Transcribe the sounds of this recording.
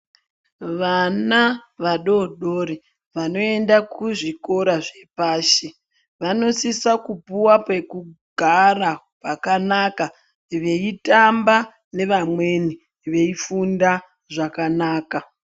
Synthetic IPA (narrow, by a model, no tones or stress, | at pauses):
ʋanaʋaɗo̞ɗo̞ɾi | ʋano̞e̞ndakuʐiko̞ɾaʐe̞paːʃe̞ | ʋano̞sisakupuwapwe̞kuɡʱara | pakanaka | ʋe̞itamba | ne̞ʋamwe̞ni | ʋe̞ifunda | ʐakanaːka